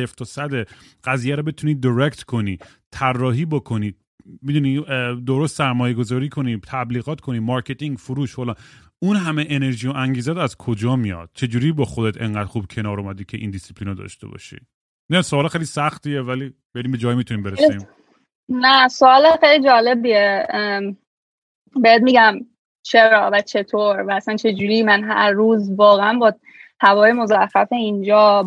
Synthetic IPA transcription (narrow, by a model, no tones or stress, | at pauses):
eft̪ʰɒsæd̪e | ɢæziːjæɾɔbet̪ʰuniːd̪iɾekt̪kʰo̞niː | t̪ʰærːɒːɦiːbokʰo̞niːd̚ | mid̪uniːd̪o̞ɾost̪sæɾmɒːjeɡo̞zɒːɾiːkʰo̞niːt̪ʰæbliːɣɒːt̪kʰo̞niːmɒɾcʰe̞t̪ʰiŋɡfuɾuːʃholɑːn | unɦæmeʔene̞ɾʒiːjoʔæŋɟiːzæɾæzkʰod͡ʒɒːmijɒ̰d̪̥̚t͡ʃʰe̞d͡ʒuːɾiːbɒːxod̪et̪ʰe̞̰ŋɢæːd̪ɾxub̥̚cʰe̞nɒːɾumæd̪icʰeʔḭːnd̪isi̥pʰliːnɒd̪ɒ̰ʃt̪ebɒ̰ːʃḭː | næsoɒːlexejlisæxt̪ievæliːb̥eɾiːmbed͡ʒɒːjimit̪ʰuniːmbeɾesi | næsoɒːlexejlid͡ʒɒːle̞bie | beet̪̚miɡæm | t͡ʃʰeɾɒːvæt͡ʃʰe̞t̪ʰoɾvæːsænt͡ʃʰe̞d͡ʒuːɾimænɦæ̰ɾːuːzvɒːɣeænbɒː | hævɒːjemozæxæfeind͡ʒɒː